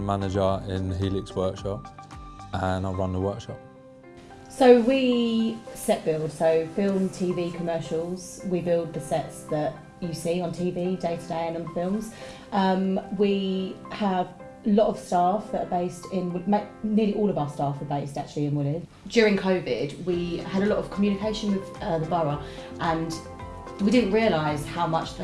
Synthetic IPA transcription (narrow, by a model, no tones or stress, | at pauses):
manɪd͡ʒəɪ̰̃nɦiːlɪkswɜˑkʃɒp | ə̃naɪɹʌ̃nðəwɜˑkʃɒ̰p̚ | səʊwi | sɛʔb̥ɪlˠd̥səʊfɪlˠmtʰiːviːkʰəmɜˑʃəlˠz̥wibɪlˠd̪̚ðəsɛtsðət͡ʃ | əsiːə̃ntʰiːviːdeɪtʰədeɪə̃nə̃nðəfɪlˠmz̥ | ʔʌ̃mwi | əv | əlɒtəv̥stɑˑfðətəbeɪstɪ̃nwɪmeɪmɪəliʔɔːləvaʊəstɑˑfəbeɪstak̚t͡ʃəliɪ̃nwɪlɪd̥ | d̥jɔːɹɪ̃ŋkʰəʊvɪ̰dwiəɾəlɒtəv̥kʰəmjʉːnɪkʰeɪʃə̃nwɪðʌðəbʌɹə | ʔə̃n | widɪdⁿn̩ʔɹiəlaɪz̥haʊmʌt͡ʃðə